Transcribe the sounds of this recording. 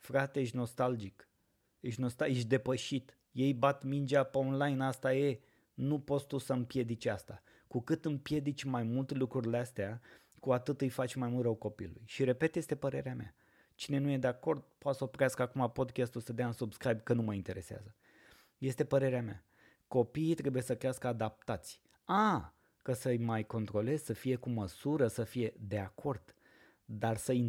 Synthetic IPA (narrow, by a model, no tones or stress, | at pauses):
fɾat̪e̞ɨʃno̞st̪ald͡ʒik | ɨʃnost̪aɨʃ̬ʲd̪e̞pəʃit̪ | je̞jbat̪mind͡ʒapeonlajnast̪aje̞ | nupo̞t̪st̪usəɨmpje̞d̪it͡ʃʲast̪a | kukɨt̪ɨmpje̞d̪it͡ʃʲmajmult̪elukɾurʲileast̪ea | kuat̪ɨt̪ɨjfat͡ʃʲmajmult̪ɾrəwko̞pḭlulṵjʃiɾe̞pe̞t̪je̞st̪e̞pəɾe̞ɾeamea̰ | t͡ʃine̞nuje̞d̪eako̞rd̪̚poat̪səopɾeaskəakumapo̞d̪kʲast̪ulsəd̪eaɨnsubskɾajb̚kənuməint̪e̞ɾe̞sea̰zə | je̞st̪e̞pəɾe̞ɾeamea̰ | ko̞piːt̪ɾe̞buje̞səkɾeaskəad̪ap̚t̪at̪sʲ | a | kəsəjmajko̞nt̪ɾo̞le̞zʲsəfije̞kuməsuɾəsəfije̞d̪e̞akʰo̞rd̪̥ | d̪arsəi